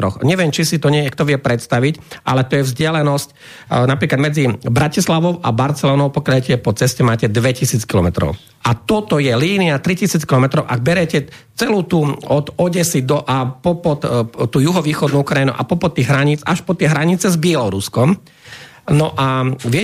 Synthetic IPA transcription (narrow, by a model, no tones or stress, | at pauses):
ɾɔxɲɛʋɪɛmt͡ʃisit̪ɔɲɛjɛkt̪ɔʋɪɛpɾɛt̪st̪aʋicʔa̰lɛt̪ɔjɛvzɟɪalɛnɔsc | napɾiːklad̪mɛd͡zibɾacislaʋɔʊʔabaɾt͡sɛlɔːnɔʊpɔkjaɛcɛɛpɔt͡sɛscɛmaːcɛd̪ʋɛcisiːt͡skilɔmɛt̪ɾɔ̰ʊ | ʔat̪ɔt̪ɔjɛliːniat̪ɾicisiːt͡skilɔmɛt̪ɾɔʊʔaɡ̚bɛɾɛcɛ | t͡sɛluːt̪uːɔd̪ɔɟɛsid̪ɔʔapɔpɔt̪t̪uːjuɦɔʋiːxɔd̪nuukɾainṵʔa̰pɔpɔt̪ːiːɣɦɾaɲiːt͡saʃpɔt̪ɪɛɦɾaɲit͡sɛzbɪɛlɔɾuskɔm | nɔʔaʋɪɛ